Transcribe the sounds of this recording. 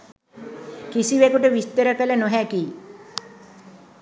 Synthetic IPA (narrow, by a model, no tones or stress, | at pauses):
kisiʋekuʈəʋist̪əɾəkələnoɦækiː